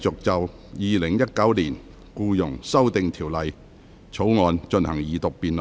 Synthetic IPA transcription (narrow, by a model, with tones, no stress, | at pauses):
t͡sʊ˨k̚t͡sɐ˨w | jiː˨lɪ˨˩ŋjɐ˥t̚kɐ˨˥wliː˨˩n | kuː˧jʊ˨˩ŋsɐ˥wt̪ɪ˨˧ŋt̪ʰiː˨˩wlɐ˨j | t͡sʰo˨˥wŋɔː˧nt͡ʃɵ˧nhɐ˨˩ŋjiː˨˧t̪ʊ˨k̚piː˨˧nl